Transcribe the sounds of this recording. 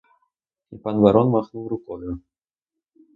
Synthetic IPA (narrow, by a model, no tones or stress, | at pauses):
ipanvaɾɔnmaxnuwɾʊkɔjʊ